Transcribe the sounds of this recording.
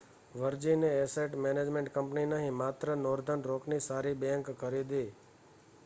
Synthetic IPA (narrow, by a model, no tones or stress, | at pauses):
ʋəɾd͡ʒineeseʈmened͡ʒmẽɳʈkəmpninəɦĩmat̪ɾənoɾd̪ʱənɾoknisaɾibɛ̃ŋkkːəɾid̪i